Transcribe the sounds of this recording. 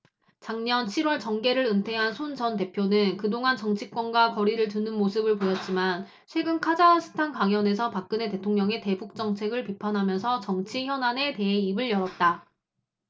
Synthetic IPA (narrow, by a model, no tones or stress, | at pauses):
t͡ɕaŋɲʌnt͡ɕʰiɾwʌɭt͡ɕʌŋɡe̞ɾɯɾɯntʰe̞ɦansʰont͡ɕʌnt̬e̞pʰjonɯnkɯdoŋɦant͡ɕʌŋt͡ɕʰik͈̚wʌnɡwakʌɾiɾɯɭt̬ɯnɯnmosʰɯbɯɭpojʌt̚t͡ɕ͈iman | t͡ɕʰwe̞ɡɯnkʰad͡ʑasʰɯ̥tʰankaŋjʌne̞sʰʌpak̚k͈ɯne̞te̞tʰoŋɲʌŋe̞te̞buk̚t͡ɕ͈ʌŋt͡ɕʰe̞ɡɯɭpipʰanɦamjʌnsʰʌt͡ɕʌŋt͡ɕʰiçjʌnane̞te̞eibɯɭjʌɾʌt̚t͈a